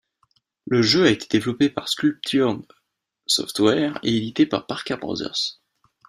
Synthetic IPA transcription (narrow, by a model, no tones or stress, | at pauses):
ləʒøaet̪ʰe̥d̪evlɔpepaʁskʲylp̚t̪ʰyʁ | sɔ̰ft̪wɛʁḛed̪it̪epa̰ʁpaʁkʲabʁɔ̰zɛ̰ʁs